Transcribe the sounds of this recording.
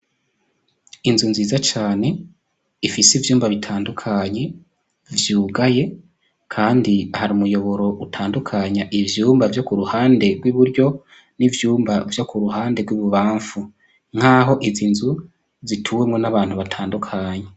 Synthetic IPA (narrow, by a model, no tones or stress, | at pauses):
inzunziːzat͡ʃaːne̞ | ifisivjuːmbaβitʰaːndukʰaɲe̞ | vjuːɡaje̞ | kʰaːndihaɾimujo̞βo̞ɾo̞ʔutʰaːndukʰaɲaʔivjuːmbavjo̞kuɾuhaːnde̞ɾɡwiβuɾɟo̞ | nivjuːmbavjo̞kuɾuhaːnde̞ɡwiβuβaːɱfu | ŋ̥haːɦo̞ʔizinzu | zitʰuːwemŋo̞naβaːn̥huβatʰaːndukʰaɲe